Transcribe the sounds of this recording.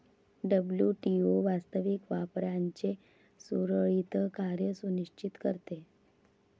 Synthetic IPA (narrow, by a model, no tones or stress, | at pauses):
ɖəbljuʈioʋast̪əʋikʋapɾaɲt͡ɕe | suɾəɭit̪əkaɾjəsunit͡ɕit̪kəɾt̪e